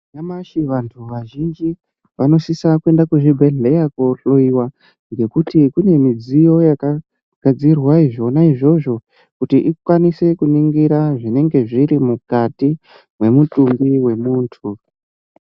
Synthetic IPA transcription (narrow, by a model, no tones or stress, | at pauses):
namaʃiʋantʰuʋaʒind͡ʒi | ʋano̞sisakue̞ndakuʐibʱe̞ɮe̞jakoɬo̞iwa | ŋɡe̞kutikune̞mid͡zijo̞jaka | ɡ̥ʱad͡zirwaiʐo̞naiʐo̞ʐo̞ | kutiʔikwanise̞kuniŋɡiɾaʐine̞ŋɡe̞ʐiɾimukati | mwe̞mutumbiwe̞muːntʰu